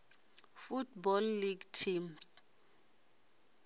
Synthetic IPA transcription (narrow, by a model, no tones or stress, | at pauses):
futbɔlːiɡtʰims